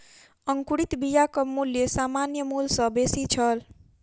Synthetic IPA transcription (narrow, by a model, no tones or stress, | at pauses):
əŋkuɽit̪bijakəmuljesamanjəmulsʌ̃besit͡ʃʰʌl